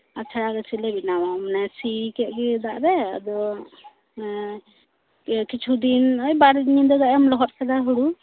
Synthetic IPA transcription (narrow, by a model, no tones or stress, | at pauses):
at͡ʃʰaɽaɡət͡ʃʰilɛbinamamnasikɛʔ̪̚ɡɛd̪aʔɾɛad̪ɔ | kit͡ʃʰud̪inəjbaɾd̪ɲid̪ɔd̪aʔɔmlɔɦɔt̪̚kɛd̪aɦuɽu